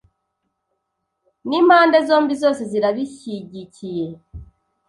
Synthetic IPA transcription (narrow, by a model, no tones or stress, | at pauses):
nimhaːndezoːmbizo̞ːse̞ziɾaβiçiɟicije̞